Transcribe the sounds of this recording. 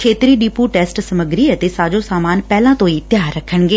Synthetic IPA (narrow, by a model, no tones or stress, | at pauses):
kʰeːt̪ɾiːɗipuʈɛːsʈsəməɡɾiːət̪esaːd͡ʒõsaːmaːnpɛːlãːt̪õit̪jaːɾːəkʰːəɳ̃ɡeː